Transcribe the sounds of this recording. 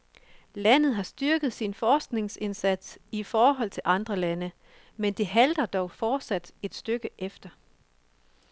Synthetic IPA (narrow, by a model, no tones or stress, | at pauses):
læn̰ð̞̩ˠɦɑ̈sd̥yɐɡ̥ð̞̩ˠsinfɒːsɡ̥ne̝ŋse̝nsæd̥sifɒːɦɒ̽l̰t͡sʰe̝lʔɑ̈nd̥ʁɐlænə | mend̥eɦæld̥ɐd̥ɒʊfɒːd̥sæd̥e̝d̥sd̥øɡ̥əʔefd̥ɐ